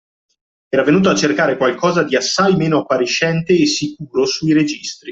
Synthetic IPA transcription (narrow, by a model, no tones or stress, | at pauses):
ɛːɾavenuːt̪̬oat͡ʃːerkaːɾekwalkʰɔːzad̪iasːajmeːnoapːaɾiʃːɛnt̪eːsikuːɾosuiɾed͡ʒist̪ɾi